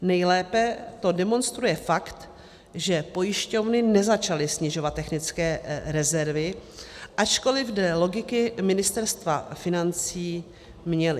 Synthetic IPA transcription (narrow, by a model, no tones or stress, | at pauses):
nɛjlɛːpɛt̪o̞dɛmo̞nst̪ɾujɛfakt̪ | ʒɛpo̞jɪʃco̞vnɪnɛzat͡ʃalɪsɲɪʒo̞vat̪ːɛxnɪt͡skɛːɾɛzɛɾvɪʔat͡ʃko̞lɪvdɛːlo̞ɡɪkɪmɪnɪst̪ɛɾst̪vafɪnant͡siː | mɲɛlɪ